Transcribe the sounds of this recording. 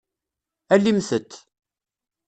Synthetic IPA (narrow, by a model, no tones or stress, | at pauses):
ælːimθət̪ː